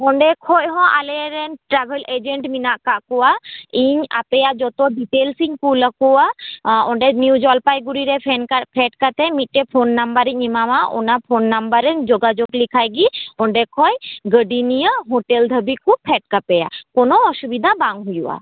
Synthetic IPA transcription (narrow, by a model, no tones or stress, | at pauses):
ɔɳɖɛkʰɔjɦɔ̃ʔaleɾɛnʈɾabʱeled͡ʒeɳʈminaʔkaʔkuaiɲa̰pejaʔd͡ʒɔt̪oɖiʈelsiɲkuləkuaɔɳɖɛniwd͡ʒɔlpajɡuɾiɾepʰɛnapʰɛʈkat̪ɛmit̪̚ˀʈepʰonːambəɾɛɲimamaʔo̰napʰonːambəɾed͡ʒoɡad͡ʒoɡlikʰajɡiɔɳɖɛkʰɔjɡəɖinijəɦoʈeld̪ʱəbikupʰɛʈ̚kapɛja̰konoɔʃubid̪ʱabaŋɦujua̰